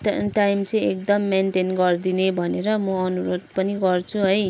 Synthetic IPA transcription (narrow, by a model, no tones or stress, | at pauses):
tʈajmt͡sʌĩek̚d̪ʌmːenʈenɡʌrd̪inebʱʌneɾʌmʌʌnuɾod̪pʌniɡʌrt͡sʰuɦʌj